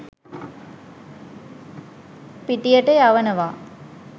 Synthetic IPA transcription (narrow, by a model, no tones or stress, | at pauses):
piʈijəʈejaʋənəʋaː